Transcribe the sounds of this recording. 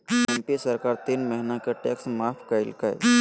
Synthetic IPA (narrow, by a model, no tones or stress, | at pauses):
ɛmpiesɐɾkaːɾt̪iːnməɦinakeʈeːksmaːpʰkaɪ̰lkaḛ